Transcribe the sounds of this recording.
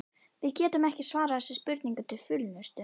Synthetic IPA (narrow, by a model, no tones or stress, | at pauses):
vɪðcɛːt̪ʏmɛhcɪsvaːɾaθɛsːɪspʏɾt̪niŋkʏt̪ʰɪlfʏlnʏst̪ʏ